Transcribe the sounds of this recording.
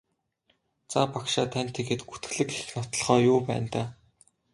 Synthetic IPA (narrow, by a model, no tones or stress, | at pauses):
t͡sapakʃaːt̪ʰæn̥ʲt̪ʰeɣĕːt̪ɡu̥t̪ɘ̥̆ɮɘ̆ke̥xnɔt̪ɞ̆ɮχœːjʊːpæ̰ːnt̪aː